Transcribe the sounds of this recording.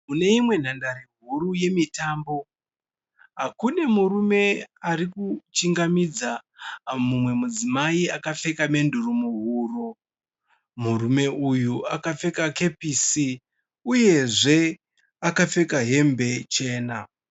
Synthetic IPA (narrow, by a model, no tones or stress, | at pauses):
mune̞imwe̞n̤andaɾeɦuɾuje̞mitaːmbo̞ | ɦɦakune̞muɾume̞arikut͡ʃiŋɡamid͡za | mumwe̞mud͡zimaiakafe̞kame̞ndurumuɦuːro | murume̞ujuakafe̞kake̞pisi | uje̞ʐe̞ | akafe̞kaɦe̞mbe̞t͡ʃe̞ːna